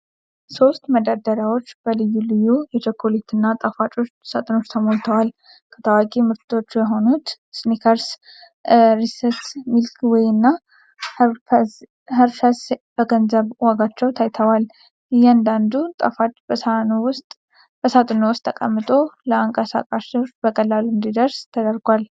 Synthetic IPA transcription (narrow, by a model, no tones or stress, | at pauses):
so̞st̪məd̪ad̪əɾawo̞t͡ʃːb̥əlɨjːulɨjːujɛt͡ʃəkʰːolit̪ʰɨnːat̪ʼəfat͡ʃʼot͡ʃsat̪ʼɨno̞t͡ʃːt̪ʰəmolt̪ʰəwal | kʰə̥t̪ʰəwakʼimɨɾt̪ʰʼot͡ʃːujɛɦo̞nut̪ | snikʰəɾs | ɾisəɾtmilkwɔjɨnːa | h | ɦəɾʃasbəɡənzəβwaɡat͡ʃːɛwt̪ʰajt̪ʰəwal | ɨjːand̪and̪ut̪ʼəfat͡ʃʼbəsnowʊst̪ʼ | b̥əsat̪ʼɨnowʊst̪ʰːəkʼəmːɨt̪ʼo̞ləaŋkʼəsa̰kʼaʃɨbəkʼəlːaluɨnd̪id̪əɾst̪ʰəd̪əɾɡʷal